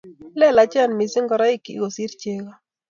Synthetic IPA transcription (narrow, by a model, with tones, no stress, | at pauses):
lɛ˦la˨˦t͡ʃa˦˨nmi˨si˦ŋɡɔ˨ɾa˦i˦kḭ˨ɡo˨si˦ɾt͡ʃe˦ɣa˦